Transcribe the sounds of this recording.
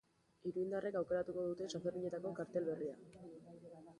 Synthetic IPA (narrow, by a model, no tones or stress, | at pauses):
iɾuind̪are̞kawke̞ɾat̪uko̞ð̞ut̪e̞safeɾβiɲe̞t̪ako̞kaɾt̪e̞lβe̞ria